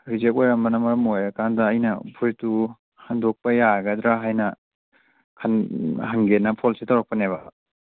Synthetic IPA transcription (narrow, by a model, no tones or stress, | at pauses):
ɾizek̬̚ojɾɐmbɐnɐmɐɾɐmojɐkʰandɐːjnɐpʰuɾjtu | hɐndok̚pɐjaɡɐd̪ɾaɦajnɐ | kʰɐnɦɐŋɡenːɐpʰolsetawɾɐk̚pɐnebɐ